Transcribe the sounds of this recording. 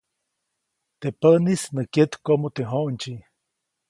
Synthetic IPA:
t̪epəʔnisnəkjet̪komot̪eɦoʔnt͡ʃi

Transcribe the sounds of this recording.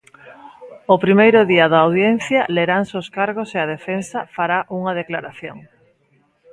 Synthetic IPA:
opɾimejɾʊðiɐðaːwðjen̟θjɐleɾansoskaɾɣoseað̞efensɐfaɾaʔuŋɐð̞eklaɾaθjoŋ

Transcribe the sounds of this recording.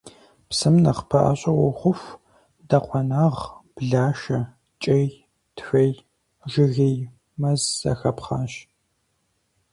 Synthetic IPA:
psɨmnɐχpʰɐʔɐ̰ɕʼɐwɔχʷʊf | dɐqʷʰɔnaːʁb̥ɮaːʃɐ | t͡ʃʼɐj | tfɐj | ʒɪɣij | mɐzzɐ̰xɐpχɑːɕ

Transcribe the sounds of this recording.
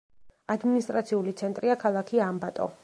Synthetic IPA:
ad̪minist̪ʼɾat̪sʰiulit̪sʰɛnt̪ʼɾiakʰalˠakʰiambat̪ʼɔ̰

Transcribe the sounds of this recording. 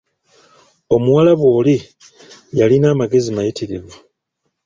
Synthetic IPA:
o̞muwalaβwo̞ːli | jalinaːmaɡe̞zimajitʰiɾivu

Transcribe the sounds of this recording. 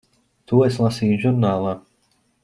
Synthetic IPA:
t̪uɔeslˠasiːjuʒuɾnaːlˠaː

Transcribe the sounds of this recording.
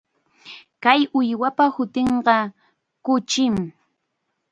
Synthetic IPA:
kajʊjwapahʊt̪eɴɢɑ | kʊt͡ʃɪm

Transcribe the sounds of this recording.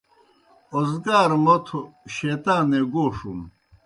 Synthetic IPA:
ozɡaːɾmɐt̪ʰoɕet̪aːneɡoːʂum

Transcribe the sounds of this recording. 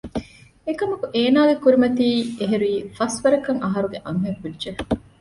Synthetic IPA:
ekɐmɐkuʔeːnaːɡekuɾimɐt̪iːeɦeɾuiːfɐsʋɐɾɐkɐŋʔɐɦɐɾuɡeʔɐŋɦɐʋudːd͡ʒe

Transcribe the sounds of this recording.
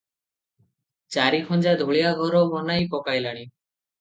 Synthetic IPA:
t͡ʃaɾikʰɔnd͡ʒad̪ʱuɭijaɡʱɔɾɔmɔnajpɔkajlaɽ̃i

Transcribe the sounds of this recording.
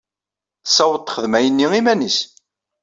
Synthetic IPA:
θsːæwət̪ˤːχəðmæjənːiimænis

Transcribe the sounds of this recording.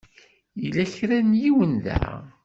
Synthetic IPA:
jilæçɾænjiwənðæ̰

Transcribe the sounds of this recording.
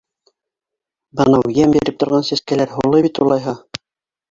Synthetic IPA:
bɤnɑwjæmbiɾɘp̚t̪ŏɾʁɑnsæskælæɾɦulˠɤβit̪ulˠɑjɦɑ

